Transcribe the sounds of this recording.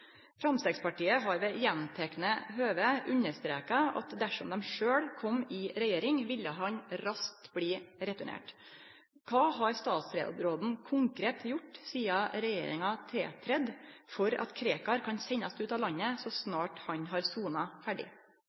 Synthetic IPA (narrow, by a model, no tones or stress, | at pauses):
fɾɑmst̪eːɡspɑʈiːəɦɑɾʋɛːjɛnt̪ʰɛknəɦøːʋəʔʉnəst̪ɾeːkɑɑ̰t̪d̪æʂɔmd̪ɛmʂøːɽkʰɔmɪɾɛjeːɾɪŋʋɪlːəɦɑɲɾɑskt̪bɽiːɾɛt̪ʊɳḛːʈ | kʰɑːhɑɾst̪ɑːt̪sɾḛd̪ɾoːd̪n̩kʰʊŋkɾeːt̪jʊʈːsiːɑɾɛjḛːɾɪ̰ŋɑt̪ʰɾḛːt̪ʰɾɛd̪fɔɾɑ̰t̪kʰɾeːkɑɾkʰɑnsɛɲɑst̪ʉːt̪ɑːlɑɲːəsɔsnɑːʈhɑɲɦɑɾsuːnɑfæɖɪ̰